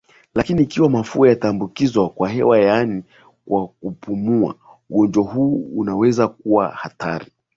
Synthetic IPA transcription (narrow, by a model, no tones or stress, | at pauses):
lakiniːkiwamafuajataːmbukizwakwaɦɛwajani | kwakupʰumua̰ | uɡɔnd͡ʒaɦuːnawɛzak̚uwa̰hata̰ɾi